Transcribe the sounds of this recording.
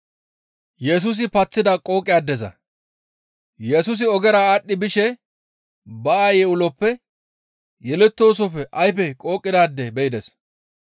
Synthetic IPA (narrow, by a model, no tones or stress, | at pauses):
jɛs̬ʊs̬ɪpɐt͡sːɪd̪ɐkʼo̞ːkʼɪjaːd̪ːɛzɐ̰ | jɛsʊs̬ɪɔɡɛɾɐaɗːɪbɪʃɛ | bɐajɛʊlɔpːɛ | jɛlɛt̪ːo̞ːs̬ɔpːɛʔɐjpɛkʼo̞ːkʼːɪd̪aːd̪ːɛbɛɪd̪ɛs